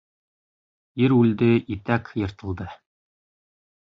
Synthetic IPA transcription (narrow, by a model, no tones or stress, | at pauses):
iɾʉld̪ɘit̪ækjɤ̆ɾt̪ɤ̆lˠd̪ɤ